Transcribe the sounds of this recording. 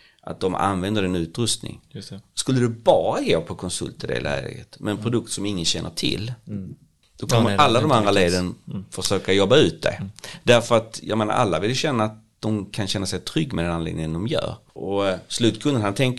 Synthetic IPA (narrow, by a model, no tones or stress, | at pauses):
ʔa̰t̪̚d̪ɔma̰nvɛnd̪əɾɛnʉ̟ːt̪ɾɵst̪nɪ̰ŋskɵlːəd̪ɛbɑːɾaɡoːpʰɔkʰɔnsɵ̰lt̪ɪd̪ɛ̰lɛ̰ːɡə̰t̪mɛnɛnpʰɾʊd̪ɵk̚t̪sɔmɪŋːənɕɛnːəʈʰɪ̰lː | d̪̥ɔkʰɔmːəalːad̪ɔmanɾaleːd̪ənfœʂøːkajɔbːaʉ̟ːt̪̚d̪ɛ̰d̪̥æɾfœɾat̪jɑ̰ɡmeːna̰ɾʔa̰lːa̰vɪljɵɕɛnːaːt̪̚d̪̥ɔmkʰanɕɛnːasɛjt̪ʰɾʏɡːmɛd̪ɛnanḛːɡ̪nɪŋənd̪ɔmjœ̰ːɾ | ʔɔslʉ̟ːt̪kʰɵnd̪ənɦant̪ʰɛŋk